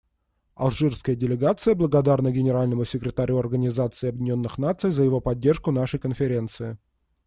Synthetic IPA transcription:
ɐ̰lˠʐɨrskəjədʲɪlʲɪɡat̪sɨjəblˠəɡɐd̪arnəɡʲɪnʲɪɾalʲnəmʊsʲɪkɾʲɪt̪ɐɾʲuɐrɡənʲɪzat̪sɨɪɐbʲɪdʲɪnʲo̞nːɨxn̪at̪sɨjzəjɪvo̞pɐdʲːe̞rʂkʊnaʂəjkənfʲɪɾʲe̞nt̪sɨɪ

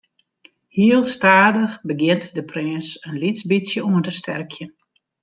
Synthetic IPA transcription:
hiəlˠstaːdəxbəɡjɪntdəprɪnsənlisbisjəuəntəstʰɛ̰rkʰjən

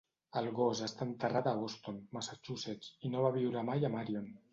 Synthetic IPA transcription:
əlˠɣozəst̪ant̪ərat̪aβost̪onmasat͡ʃuset͡ʃinoβaβ̞iwɾəmajamaɾion

